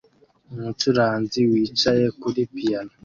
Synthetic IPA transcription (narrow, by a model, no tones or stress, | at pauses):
umut͡ʃuɾaːnziwiːt͡ʃajekuɾipijana